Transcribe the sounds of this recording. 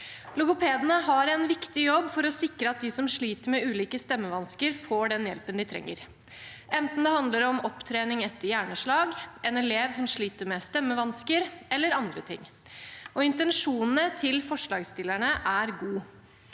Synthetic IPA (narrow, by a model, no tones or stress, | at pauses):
lʊɡʊpʰeːd̪ənəɦɑɾɛnʋɪkt̪ɪjɔbːfɔɾɔsɪkɾəɑt̪̚d̪ɪsɔmʂɭiːt̪əɾmɛʉːliːkəst̪ɛmːəʋɑnskəɾfoːɖɛnjɛ̰lpənd̪ɪt̪ʰɾɛ̰ŋːə̰ɾ | ʔɛnt̪n̩d̪ɛhɑnd̪ləɾɔmɔpt̪ʰɾeːnɪŋɛt̪ːəɾjæːɳəʂɭɑːɡɛnɛleːʋsɔmʂɭiːt̪əɾmɛst̪ɛmːəʋɑnskəɾɛlːəɾɑnd̪ɾət̪ʰɪ̰ŋː | ɔɪnt̪ɛnʂuːnn̩ət̪ʰɪlfɔʂɭɑːɡst̪ɪlːæɳəʔæɾɡuː